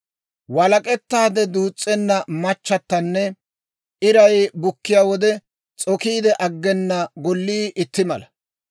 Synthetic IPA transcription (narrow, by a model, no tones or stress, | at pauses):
wɐlɐkʼɛt̪ːaːd̪ɛd̪uːt͡sʼːɛnːɐmɐt͡ʃːɐt̪ːɐnːɛ | ɪɾɐjbʊkːɪjaːwɔd̪ɛ | t͡sʼɔkiːd̪ɛʔɐɡːɛnːɐɡɔlːiːʔɪt̪ːɪmɐlɐ